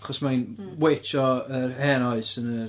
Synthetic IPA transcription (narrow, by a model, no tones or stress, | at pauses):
χɔsmajnwejt͡ʃʰɔərhɛnɔɨsənə